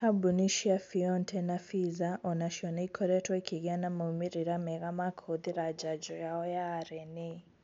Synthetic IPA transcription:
abuniʃiafiɔntʰɛnafizaʔɔnaʃiɔnaikʰɔɾɛtʰɔikʰiɣjanamoumiɾiɾamɛɣamakʰoðiɾad͡ʒad͡ʒɔjaɔjaːɾɛni

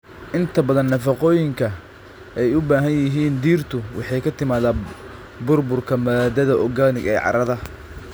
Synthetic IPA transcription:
ʔɪnt̪ʰɐbɐðɐnːɐfɑqɔːjɪŋkʰɐ | ɛjʊbaːɦɐnjɪɦiːnd̪iːrt̪ʰʊwʔɑ̰ħɑjkʰɐt̪ʰɪmaːðaː | bʊrbʊrkʰɐmɐðaːd̪ɐðɐʔɔɡaːnɪɡɛːʕɑ̰ɾɐðɐ

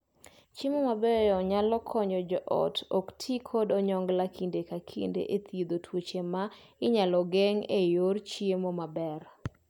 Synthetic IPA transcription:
t͡ʃemomabɛjɔɲalɔkʰɔɲd͡ʒɔd͡ʒɔʔɔ̰tɔktʰikʰodɔɲɔŋɡlakʰindekakʰḭndḛʔet̪ʰid̪otʰwot͡ʃemaɪɲalɔɡeŋejort͡ʃiemomabɛɾ

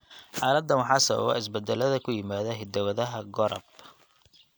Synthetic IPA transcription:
ħɑːlɐd̪ːɐnwɑħɑːsɐβɐ̰βɔ̰ɪs̬bɐd̪ɛlɐðɐkʰʊjɪmaːðɐɦɪd̪ɐwɐðɐɦɐɡɔɾɔ̰b

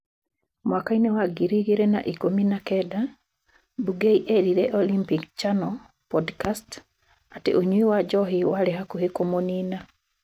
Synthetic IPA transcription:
mwakainewaɡiɾiɡeɾena̰ʔikominakɛda | buɡeiʔeɾiɾeʔolimpikt͡ʃanɔ | pɔdkast | atḛʔoɲuiwad͡ʒɔɦiwaɾɛɦakuhekomonina

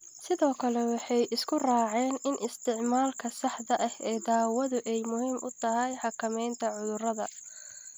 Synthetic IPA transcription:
sɪðɔːkʰɐlɛwɑħɑjʔɪskʰʊraːʕɛːnɪnʔɪst̪ʰɪʕmaːlkʰɐsɑħd̪ɐʔɐhɛːd̪aːwɐðʊʔɛjmʊhiːmʔʊt̪ʰɐɦɛjħɑkʰɐmɛjnt̪ʰɐʕʊðʊrɐðɐ

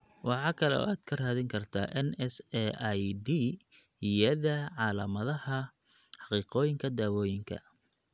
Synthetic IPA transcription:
wɑħɑːkʰɐlɛɔ̰ːaːd̪̥kʰɐraːðɪŋkʰɐrt̪ʰa̰ːʔɛnɛsɛʔjdiː | jɐðɐʕɑːlɐmɐðɐhɐ | ħɑqiːqɔːjɪŋkʰɐd̪aːwɔːjɪŋkʰɐ̰

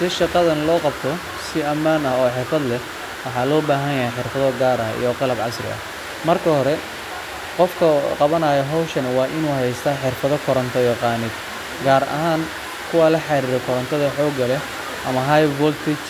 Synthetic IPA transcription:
sɪʃɑqɑðɐnlɔːqɑbt̪ʰɔ | sɪɐmːaːnɐhɔːħɪrfɐd̪lɛ | wɑħɑːlɔːbaːɦɐjjɐɦɛjħɪrfɐðɔɡaːɾɐɦḭjɔqɑlɐbʕɑsrɪ̰ɐ̰h | mɐrkʰɐɦɔɾɛ | qɔfkʰɐqɑβɐnaːjɐɦɔwʃɐnɐwɑːʔɪnuːhɛjst̪ʰɐħɪrfɐðɔkʰɔɾɐnt̪ʰɔjɐqɑːnɪd̪ | ɡaːɾɐ̰ɦaːn | kʰʊwaːlɐħɑɾiːɾɔkʰɔɾɐnt̪ʰɔðɐħɔːɡɐlɛ | ʔɐmɐɦɐjbɔlt̪ʰɪt͡ʃ

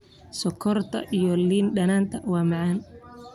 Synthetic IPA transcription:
sɔkʰɔrt̪ʰɐ̰ʔijɔliːnɖɐnaːnt̪ʰɐwɑːmɑʕaːn

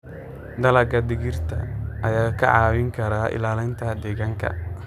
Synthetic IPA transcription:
d̪ɐlɐɡɐd̪ɪɣɪrt̪ʰɐ̰ʔɐjaːkʰɐ̰ʕɑːwɪŋkʰɐɾaːʔɪ̰laːlɪnt̪ʰɐd̪ɛːɣaːŋkʰɐ̰

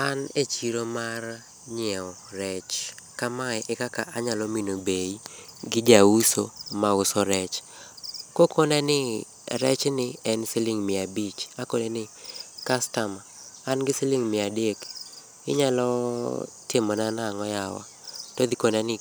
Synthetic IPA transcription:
anet͡ʃiɾomar | ɲɪɛɔrɛt͡ʃkamaɛʔekakaʔaɲalɔminobeiɡɪd͡ʒausomaʊsɔɾɛt͡ʃ | kokonanɪ | ɾɛt͡ʃnɪɛnsɪlɪŋmɪabit͡ʃakonenɪkastamaːnɡɪsɪlɪŋmɪadek | ɪ̰ɲalɔ | tɪmɔnanaŋɔjawa̰ | tod̪ikonanɪ

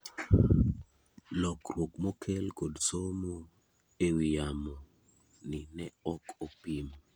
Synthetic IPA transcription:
lɔkrwokmokʰelkodsomo | ewijamɔ | nɪnɛɔkopim

